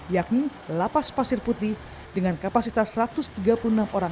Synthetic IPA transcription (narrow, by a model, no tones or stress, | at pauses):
jak̚ni | lapaspasɪrput̪ɪh | dəŋankapasit̪asːəɾat̪ʊst̪iɡapulunamoɾaŋ